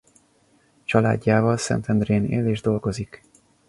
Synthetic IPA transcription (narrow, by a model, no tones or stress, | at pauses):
t͡ʃɒla̰ːɟːaːvɒlsɛ̰nt̪ɛnd̪reːnḛːleːʒd̪o̞lɡo̞zik